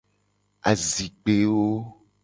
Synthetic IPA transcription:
a˨zi˨k͡pe˨wo˦

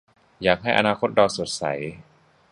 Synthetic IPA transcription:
jaː˨˩k̚ɦa˥˩jʔa̰˧naː˧kʰo˦˥t̪̚ɾa˧wso˨˩t̪̚sa̰˩˦j

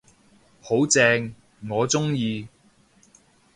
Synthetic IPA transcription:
ho˨˥wt͡sɛː˧ŋ | ŋɔː˨˧t͡sʊ˥ŋjiː˧

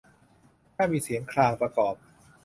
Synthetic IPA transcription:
kʰaː˥˩miː˧si˨˩˦ənkʰlaː˧ŋpɾa˧kɔː˨˩p̚

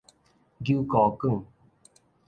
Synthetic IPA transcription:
ɡu˦kɔ˨kɨ˦˨ŋ

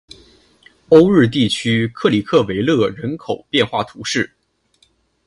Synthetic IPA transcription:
o˥ʊɻɻ̩˥˧t̪̬i˥˩t͡ɕʰy˥kʰɤ˥˩li˨˩kʰɤ˥˩we˧˥ɪlɤ˥˩ɻə˧˥nkʰo˨˩ʊpjɛ˥˧nxwa˥˩t̪ʰu˧˥ʂɻ̩˥˩

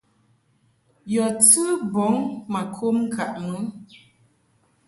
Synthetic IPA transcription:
jɔ˨tɨ˦bɔ˨˦ŋma˨kʰo˦mŋ̩˦kʰa˨ʔmə˨˦

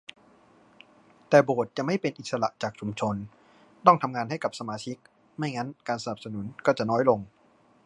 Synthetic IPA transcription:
t̪ɛː˨˩boː˨˩t̪̚t͡ɕa˨˩ma˥˩jpe˧nʔi˨˩t̪̚sa˧la˨˩ʔt͡ɕaː˨˩k̚t͡ɕʰu˧mt͡ɕʰo˧n | t̪ɔ˥˩ŋt̪ʰa˧mŋaː˧nha˥˩jka˨˩p̚sa˧maː˧t͡ɕʰi˦˥k̚ | ma˥˩jŋa˦˥nkaː˧nsa˧na˨˩p̚sa˧nu˩˦nkɔː˥˩t͡ɕa˨˩nɔː˦˥jlo˧ŋ

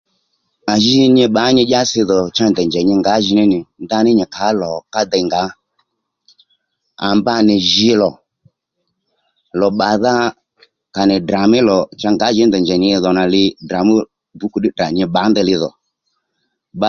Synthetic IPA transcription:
a˨ʒɪ˦ɲɛ˧ɓa˨˦ɲɪ˧˦ʄa˦sɪ˧ðɔ˨t͡ʃa˦ndɛ˨nd͡ʒɛ˨ɲɪ˧ŋɡa˨˦ʒɪ˧nɪ˦nɪ˨nd̪a˧˦nɪ˦ɲɛ˨kʰa˨˦lɔ˨ka˦d̪ɛ˨˧˨ŋɡa˨˦ | a˨mba˦nɪ˨ʒɪ˧lɔ˨ | lɔ˨ɓa˨ða˦ | ka˨nɪ˨dra˨mɪ˦lɔ˨t͡ʃa˧ŋɡa˨˦ʒɪ˨˦ndɛ˨nd͡ʒɛ˨ɲɪ˨˦˧ðɔ˨na˨lɪ˧da˨mu˦ | bu˨˦ku˨ɗɪ˦da˨ɲɪ˧ɓa˨˦nd̪ɛ˧lɪ˧ðɔ̰˨ | ɓa˦

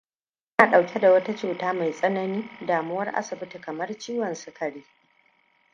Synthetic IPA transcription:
ʔɪ˦naː˨ɗa˨wkʲʰe˦da˨wɐ˦ta˦t͡ʃuː˨taː˦ma˨jsʼɐ˦nɐ˨niː˦daː˨mʊ˦wɐ˦rʔa̰˦sʊ˨bɪ˦ti˨kɐ˨mɐ˦rt͡ʃiː˦wɐ˨nsʊ˦kʰɐ˨ɽeː˦

